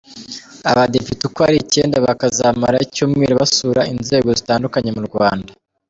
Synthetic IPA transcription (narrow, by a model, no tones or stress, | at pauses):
aβade̞pitikaɾice̞ːndaβakazamaɾaicumŋiɾaβasuːɾainze̞ːɡo̞zitaːndukaɲe̞muɾɡwaːnda